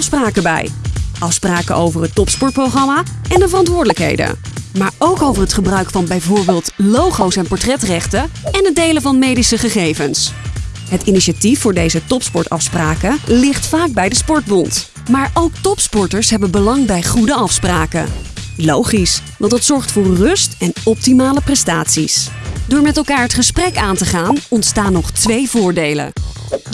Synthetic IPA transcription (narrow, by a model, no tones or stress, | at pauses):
ɑfspraːkəbɛ̰jʔɑfspraːkəʔowvərɦətɔpspɔɹt̚prowχɑmaːɛndəvərɑntʋʊːɹdələkɦḛjdə̰maːɹowkowvəɹɦətχəbrœɥkfɑnbɛjvʊːɹbɪːlˠtlowχowsɛnpɔɹtrɛtrɛχtəɛnɦədejləvɑnmejdisəχəχejvəns | ɦətiniʃatifːʊːɹdejzətɔpspɔɹtɑ̰fspraːkəlɪχtfaːɡ̚bɛjdəspɔɹt̚bɔnt | maːɹowk̚tɔpspɔɹtəɹsɦɛbənbəlɑŋbɛjχudəɑfspraːkə̰lowχisʋɑntdɑtsɔɹχtfʊːɹːɵstɛnɔp̚timaːləprɛstaːtsḭs | dʊːɹmɛtɛlˠkaːɹɦətχəsprɛkaːntəχaːnɔntstaːnːɔχtʋejvʊːɹdejlə̰